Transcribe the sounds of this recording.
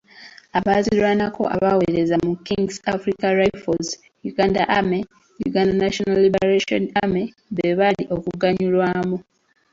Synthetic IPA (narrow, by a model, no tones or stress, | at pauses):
aβazilwanako̞̰ʔa̰βawe̞ɾe̞zamukːiŋɡsafɾikaɾajfoz | juɡandaʔame | jṵɡandanaʃonalːibeɾaʃoname | βeβaliʔo̞kuɡaɲulwaːmu